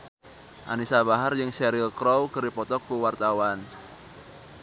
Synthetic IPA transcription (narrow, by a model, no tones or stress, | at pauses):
ʔa̰nisabaɦard͡ʒɨŋsɛɾilkɾɔwkəɾipɔt̪ɔkuwart̪awan